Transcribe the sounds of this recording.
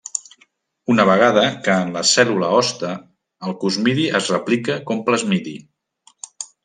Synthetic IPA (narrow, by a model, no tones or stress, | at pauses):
unəβ̞əɣ̞að̞əkəːnləsɛluləɔst̪əː | lˠkuzmiðiʔəzrəplikəkompləzmiðḭ